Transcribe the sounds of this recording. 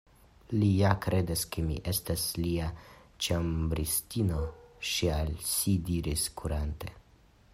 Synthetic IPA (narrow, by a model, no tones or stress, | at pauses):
lijakɾe̞daskemḭʔe̞stasliat͡ʃambɾistino̞ʃialsidiɾiskʰuɾante̞